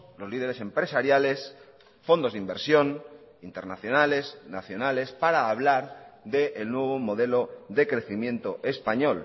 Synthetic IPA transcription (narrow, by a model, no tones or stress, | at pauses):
lo̞zliðe̞ɾese̞mpɾesaɾjale̞s | fo̞nd̪o̞zðimbeɾsjo̞n | int̪e̞ɾnaθjo̞nale̞snaθjonale̞spaɾaːβlaɾðe̞ʔːlnwe̞β̞omo̞ðe̞lo̞ðe̞kɾe̞θimje̞nt̪oʔe̞spaɲo̞l